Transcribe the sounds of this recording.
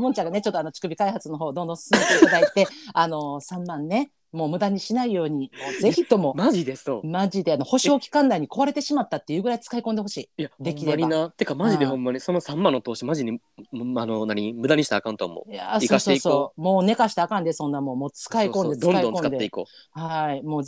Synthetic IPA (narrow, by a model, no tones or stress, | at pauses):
moɲ̟t͡ɕaŋɡane̞t͡ɕo̞t̪ːoano̞t͡ɕi̥kɯbʲikaihat͡sɨnoɦo̞ːd̪õ̞nd̪õ̞sɨ̥sɨme̞t̪eit̪ad̪ait̪e̞ano̞sãmːãnːe̞ | mo̞ːmɯ̟d̪aɲ̟iɕinaijo̞ːɲ̟imoːze̞çit̪o̞mo̞maʑid̪esomaʑid̪eano̞ho̞ɕo̞ːkʲi̥kãnd̪aiɲ̟iko̞βaɾe̞t̪e̞ɕimat̪ːat̪ːe̞jɯ̟ːɡɯɾait͡sɨ̥kaikõnd̪e̞ɦo̞ɕiːjadd̪e̞kʲiɾeɲʲinat̪ːekamaʑid̪ehõmːaɲ̟iso̞nosãmːãnːot̪o̞ːɕimaʑiɲi | anonaɲ̟imɯ̟d̪aɲ̟iɕi̥t̪a̰ːkãnt̪o̰mo̰ja̰siokaːsoeeisooːmo̞ːne̞kaɕi̥t̪aːkãnd̪e̞sõ̞nːamo̞moːt͡sɨ̥kaikõnd̪eõnad̪õkoɨnkad̪eeiko̞̰ː | haimo̞ː